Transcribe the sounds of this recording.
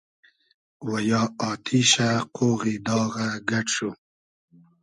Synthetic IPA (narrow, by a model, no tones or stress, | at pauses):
wajɑːɑːt̪ʰiʃaqʰoɣid̪ɑːɣaɡaʈʂu